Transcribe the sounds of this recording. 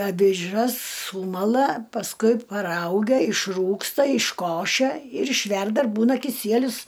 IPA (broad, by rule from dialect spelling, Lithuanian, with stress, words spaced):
ɐʋʲɪˈʒɐs ˈsuːmɐlˠɐ pɐsˈkʊɪ pɐˈrɐʊɡʲɛ ɪʃˈruːkstɐ ɪʃˈkoːʃʲɛ ɪr ɪʃʲˈʋʲɛrdɐ ɪr ˈbuːnɐ kʲɪˈsʲiɛlʲʊs